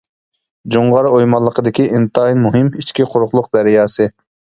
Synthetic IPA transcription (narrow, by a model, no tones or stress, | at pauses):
d͡ʒuɴʁɑɾojmɑlˠːəqəd̪ɪkʲiʔint̪ɑinmuɦɪmit͡ʃkʲiqʰʊɾʊχlˠʊq̚d̪ɛɾjɑːsɨ